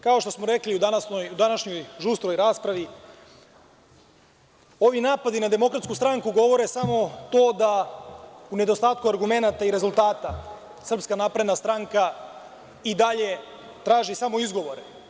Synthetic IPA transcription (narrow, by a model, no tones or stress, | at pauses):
kao̞ʃt̪o̞smoɾe̞kliud̪anasnojud̪anaʃɲo̞jʒust̪ɾo̞jɾaːspɾaʋi | o̞ʋinaːpad̪inad̪e̞mo̞kɾat̪skust̪ɾaŋkuɡo̞ʋo̞ɾe̞samo̞t̪o̞ːd̪a | une̞d̪o̞st̪aːt̪̚kuaɾɡume̞nat̪aiɾe̞zulˠt̪aːt̪a | sr̩pskanaːpɾed̪nast̪ɾaŋka | id̪aʎe̞ | t̪ɾaːʒisamo̞izɡo̞ʋo̞ɾe